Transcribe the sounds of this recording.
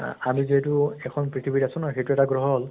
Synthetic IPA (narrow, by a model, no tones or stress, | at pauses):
amiziɦetuɛkʰɔnpɹit̪ʰibitasʊ̃nɔxetuɛtaɡɹɔɦɔɔl